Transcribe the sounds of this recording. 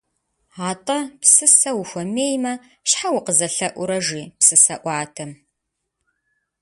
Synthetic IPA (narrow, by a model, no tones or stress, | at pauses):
aːtʼɐpsɨsɐwʊxʷɐmeːjmɐ | ɕħawʊqəzɐɬɐʔʷʊɾɐʒiːpsɨsɐʔʷɑːtʰɐm